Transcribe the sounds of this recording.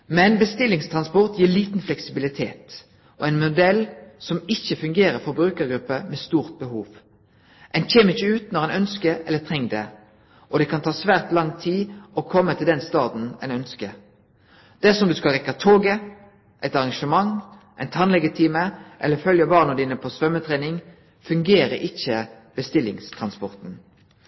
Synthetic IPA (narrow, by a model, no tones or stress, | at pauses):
mɛnbəst̪ɪlːɪŋst̪ʰʁɑnspɔʁt̪jiːɭiːt̪n̩flɛksɪbɪlɪt̪ʰḛːt̪ | ʔɔæɪnmʊd̪ɛlsɔmɪçːəfʉŋɡeːɾəɾfɔʁbʁʉːkəɾɡɾʉpːəmɛst̪uːʁt̪̚bəhuːʋ | ʔɛɪnçeːməɪçːəʉːt̪nɔɾæɪnœnskəɛlːət̪ʰʁɛŋːd̪ɛ̰ | ʔɔd̪ɛkʰɑnt̪ʰɑːsʋæːʁt̪lɑŋt̪ʰiːɔkʰɔmːət̪ʰɪld̪ɛnst̪ɑːd̪n̩æ̰ɪnœnskə | d̪̥ɛæsɔmd̪ʉskɑlʁɛkːɑt̪ʰoːɡə | ʔæɪt̪ɑʁɑŋʂəmɑŋ | ʔæ̰ɪnt̪ʰɑnlɛɡət̪ʰiːməʔɛ̰lːəfœljɑbɑːʁnɔd̪iːnəpʰɔsʋœmət̪ʰʁeːnɪŋ | fʉŋɡeːɾə̰ʔɪçːə | b̥əst̪ɪlːɪ̰ŋst̪ʰʁɑnspɔʁt̪n̩